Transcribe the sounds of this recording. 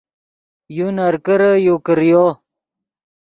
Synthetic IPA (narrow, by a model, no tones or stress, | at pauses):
junaɾkəɾəjokəɾjo